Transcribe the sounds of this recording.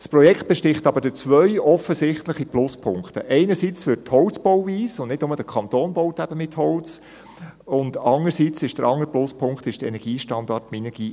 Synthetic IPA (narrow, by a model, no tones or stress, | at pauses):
spɾɔjɛkχt̚b̥ɛʃtɪχt̪ɑbəɾdɪt͡sʋœʏɔfəsɪχtləχiplʊspʰʊŋktə̰ʔɛɪnəɾsit͡sfʏthɔwt͡sb̥ɔwviːsʊndnɪd̥nʊməd̥əkʰɑnt̪oːnbɔʊtæbəmɪthɔwt͡s | ʊndɑnəɾsiːt͡sɪʃd̥əɾʔɑŋəɾplʊspʰʊŋkχtɪʃd̥əɛ̰nɛɡ̥iːʃtɑndɑtminəɡ̥iː